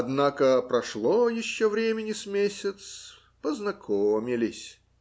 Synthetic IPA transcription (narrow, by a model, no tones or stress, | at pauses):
ɐd̪nakəpɾɐʂlˠojɪɕːovɾʲemʲɪnʲɪsmʲesʲɪt̪s | pəznɐkʰomʲɪlʲɪsʲ